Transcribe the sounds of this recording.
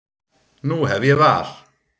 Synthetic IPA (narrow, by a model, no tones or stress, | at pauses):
nuːɦɛviəvaːɬ